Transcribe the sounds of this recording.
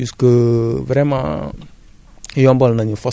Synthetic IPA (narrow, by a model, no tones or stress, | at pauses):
iskəvɾɛmã̰ | jɔ̃mbɔlnãɲəfɔ